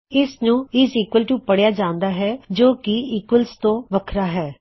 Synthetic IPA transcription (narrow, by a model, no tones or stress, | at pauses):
ɪsnũːɪsiːkwəlʈuːpəɽjaːd͡ʒãːnd̪aːɦɛːd͡ʒoːkɪiːkəlst̪õːʋəkʰɾaːɦɛː